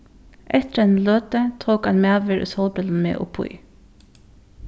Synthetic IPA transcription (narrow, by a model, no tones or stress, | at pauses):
ʔɛt̪əɾɛnløːt̪ət̪ʰʁoːkɑnmæːʋəɾo̰sɔlbəln̩mḛːʔʊ̰pʰʊ̰ʏ